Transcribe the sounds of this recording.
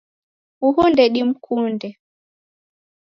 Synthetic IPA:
uhundɛɗim̩kʰundɛ

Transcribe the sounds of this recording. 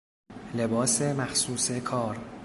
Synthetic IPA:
le̞bɒːsemæxsuːsekʰɒːɾ

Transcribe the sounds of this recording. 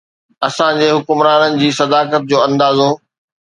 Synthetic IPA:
ɐsãd͡ʑeːɦʊkʊmɾaːnənɪ̆d͡ʑiːsɐd̪aːkət̪̚d͡ʑoːɐ̃nd̪aːzoː

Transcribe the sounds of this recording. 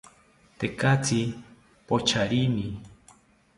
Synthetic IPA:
t̪ekat͡sʰi | pot͡ʃʰaɾini

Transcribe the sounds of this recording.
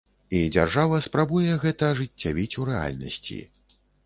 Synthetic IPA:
id͡zʲa̰rʐavɐspɾabujɛɣɛt̪ɐʐɨt͡sʲːavʲit͡sʲuɾɛa̰lʲnɐ̰sʲt͡sʲḭ

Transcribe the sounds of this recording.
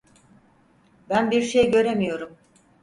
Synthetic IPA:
bænbiɾʃejɟø̞ɾemijo̞ɾum

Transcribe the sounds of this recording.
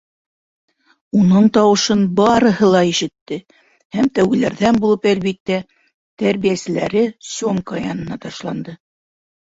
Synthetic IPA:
unɤɴt̪ɑwɤ̆ʃɤnbɑɾɤ̆ɦɤlˠɑiʃɘ̆t̪ːɘ | hæmt̪æwɡɘ̆læɾðænbulˠɤpælβit̪ːæ | t̪æɾβijæsɘ̆læɾɘsʲoŋkɑjɑnɤ̆nɑt̪ɑʃlˠɑnd̪ɤ

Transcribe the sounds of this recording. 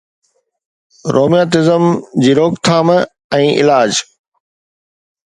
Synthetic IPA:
ɾoːmjaːt̪ɪzəmd͡ʑiːɾoːkt̪ʰaːm | ɛ̃ːʔɪ̰laːd͡ʑ

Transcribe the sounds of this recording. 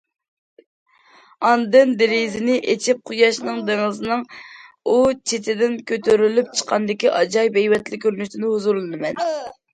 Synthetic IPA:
ɑnd̪ɨnd̪eɾizɪnɪʔet͡ʃʰip̚qʰujɑʃnɨŋd̪eŋɨzɨnɨŋ | ut͡ʃʰet̪ʰɪd̪ɪnkʲøt̪ʰøɾylyp̚t͡ʃʰə̥qʰɑnd̪ɪkʲiʔɑd͡ʒɑjbɛjwɛt̪lɪkʲʰːøɾnyʃt̪ʰɪnɪhuzuɾlˠɨnɨmɛn

